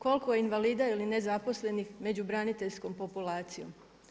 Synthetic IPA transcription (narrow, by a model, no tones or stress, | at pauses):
ko̞lkojeinʋaliːd̪ailine̞zapo̞sle̞nixme̞d͡ʑubɾanit̪e̞ʎsko̞mpo̞pulaːt̪sijo̞̰m